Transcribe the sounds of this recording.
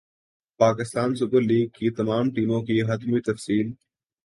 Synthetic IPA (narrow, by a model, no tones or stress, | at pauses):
paːkɪst̪aːns̬ʊbəɾliːɡ̚kʰiːt̪ɐmaːmʈiːmõːkʰiːɦɐt̪miːt̪ɐfsiːl